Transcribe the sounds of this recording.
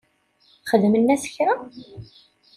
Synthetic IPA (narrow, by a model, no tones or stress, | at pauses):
χəðmənːæsə̥çɾa